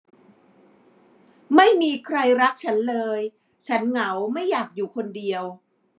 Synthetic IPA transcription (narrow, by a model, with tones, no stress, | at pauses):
ma˥˩jmiː˧kʰɾa˧jɾa˦˥k̚t͡ɕʰa˦˥nlɤː˧j | t͡ɕʰa˦˥nŋa˩˦wma˥˩jːaː˨˩k̚juː˨˩kʰo˧ndi˧əw